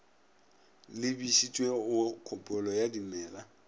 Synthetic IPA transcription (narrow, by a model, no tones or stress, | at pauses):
lɪbisit͡ʃʼweʊkʰɔpʼɔlɔjadimɛːla